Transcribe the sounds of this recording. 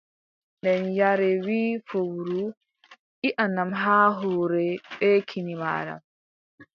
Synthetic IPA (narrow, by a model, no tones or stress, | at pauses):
ndɛnjaɾɛwiːfowuɾu | ʔiʔanːamɦaːɦɔːɾɛɓɛkʰinima̰ːɾa̰m